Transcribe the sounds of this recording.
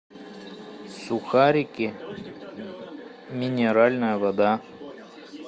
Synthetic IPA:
sʊxaɾʲikʲe | mʲinʲeɾalʲnajəvɐd̪a

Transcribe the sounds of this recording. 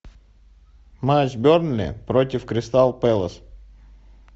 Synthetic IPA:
mat͡ʃbʲoɾnlʲɪ̰pɾot̪ʲɪfkɾʲɪst̪alˠpɛlˠəs

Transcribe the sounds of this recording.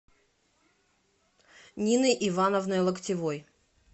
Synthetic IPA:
nʲinɨjʔɪvanəvnəjlˠəktʲɪvoj

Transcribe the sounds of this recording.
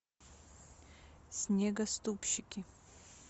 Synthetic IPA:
snʲeɡɐst̪upɕikʲi

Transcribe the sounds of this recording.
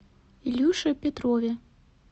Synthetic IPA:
ilʲuʂɨwpʲat̪ɾɔvʲɛ

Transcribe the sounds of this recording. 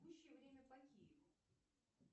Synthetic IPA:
uɕːɪjəvɾʲemʲəpɐkʲijɪ̰vʊ

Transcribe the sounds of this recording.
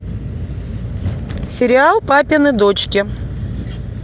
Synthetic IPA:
sʲɪɾʲɪalˠpapʲɪnɨd̪ot͡ɕkʲɪ

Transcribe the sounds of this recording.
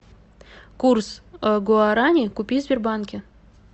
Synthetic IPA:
kursɡoaɾanʲikupʲizʲbʲerbankʲe

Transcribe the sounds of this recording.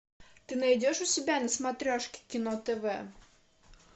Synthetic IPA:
t̪ɪnɐjdʲɛʃʊsʲɪbʲanɛsmat̪ɾʲɔʃkʲɪ̥kʲinɔt̪ɛʋɛ

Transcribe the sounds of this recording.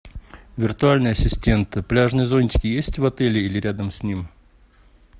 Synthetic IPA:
vʲɪrt̪ʊalʲnɨjəɐsʲɪsʲtʲe̞nt̪ɨplʲaʐnɨjəzo̞nʲt͡ɕʲɪ̥kʲɪjesʲtʲvɐt̪ɛlʲɪilʲɪɾʲad̪əmsʲnʲim

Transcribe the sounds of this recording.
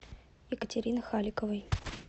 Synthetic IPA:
jɪkətʲɪɾʲinɨxalʲɪkəvəj

